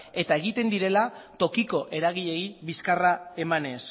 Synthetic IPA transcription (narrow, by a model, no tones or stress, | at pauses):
e̞t̪ae̞ɣ̞it̪e̞nd̪iɾe̞lat̪o̞kiko̞ʔe̞ɾaɣ̞iʎe̞iβiskarae̞mane̞s